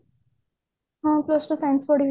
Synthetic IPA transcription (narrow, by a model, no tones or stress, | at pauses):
ɦãploːsʈusaj̃nsbɔɖiʋ